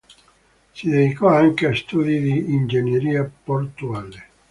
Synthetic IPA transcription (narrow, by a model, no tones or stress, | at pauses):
sid̪ed̪ikɔaŋkeast̪uːd̪id̪iːnd͡ʒenjeɾiːaport̪uaːle